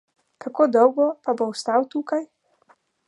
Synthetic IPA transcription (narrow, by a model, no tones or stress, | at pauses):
kakoːd̪ɔwɡɔpabowst̪awt̪uːkaj